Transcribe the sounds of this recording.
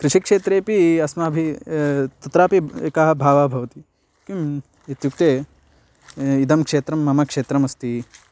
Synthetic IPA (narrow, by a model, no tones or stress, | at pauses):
kɾɪʂikʂeːt̪ɾeːpiɐsmɐːbʱi | t̪ɐt̪ɾaːpiekaɦɐ̆bʱaːʋaːbʱɐʋɐt̪i | kim | it̪juk̚t̪eː | id̪ɐmkʂeːt̪ɾɐmːɐmɐkʂeːt̪ɾɐmɐst̪i